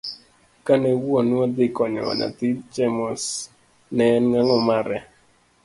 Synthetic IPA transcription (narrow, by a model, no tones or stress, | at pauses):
kanɛwonwad̪ɪkɔɲɔ̰na̰t̪it͡ʃɛmɔs | nɛnŋaŋɔmaɾɛ